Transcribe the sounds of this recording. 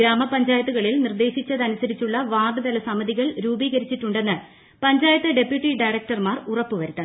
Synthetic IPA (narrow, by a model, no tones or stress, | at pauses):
ɾaːmɐpɐɲd͡ʑaːjɐt̪ːuɣɐɭilnird̪e̞ːɕit͡ɕːɐðɐnusɐɾit͡ɕːuɭːɐʋaːɡ̪ɨd̪ɐlɐsɐmɐðiɣɐɭɾuːbiːɣɐɾit͡ɕːiʈːuɳɖe̞nːɨ | pɐɲd͡ʑaːjɐt̪ːɨɖe̞pjuʈːiɖɐjrɐk̚ʈɐrmaːrurɐpːuʋɐɾut̪ːɐ